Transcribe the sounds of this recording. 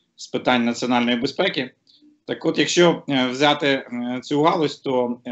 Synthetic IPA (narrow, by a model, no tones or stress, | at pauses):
spɪt̪ɑnʲnɐt͡sʲiɔnɑlʲnjibespɛkʲi | t̪ɑkɔt̪jɐkʃt͡ʃɔwzʲɑt̪ɪt̪t͡sʲuɦɑlˠʊsʲt̪ɔ